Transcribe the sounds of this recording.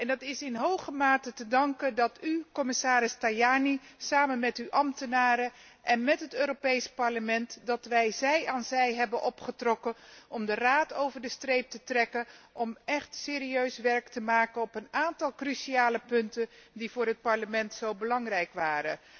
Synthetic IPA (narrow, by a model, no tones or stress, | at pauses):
ɛndɑtɪsɪnɦowχəmaːtətədɑŋkədɑtykɔmɪsaːɾɪstajaːnisaːmənmɛtyʔɑmtənaːɾə | ʔɛnmɛtɦətøːɾopejspɑɹləmɛntdɑtʋɛjzɛjaːnzɛjɦɛbənʔɔpχətrɔkəʔɔmdəraːtowvəɹdəstrejp̚tətrɛkənɔmɛχtsɪːɾiøɥsʋɛɹktəmaːkənɔpənaːntɑlˠkrysiaːləpɵntəndivʊːɹɦət̚pɑɹləmɛntsowbəlɑŋrɛjkʋaːɾə̰